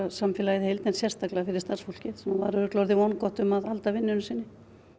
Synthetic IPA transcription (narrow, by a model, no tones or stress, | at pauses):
asamfɛlajɪðɪhejlt̪nɛnsjɛr̥st̪aklafɪɾɪɾ̥st̪arsfɔl̥cɪðsɛmavaɾœːklɔɾðɪvɔwnkɔht̪ʏmaðalt̪avɪnːʏnʏsɪnːɪ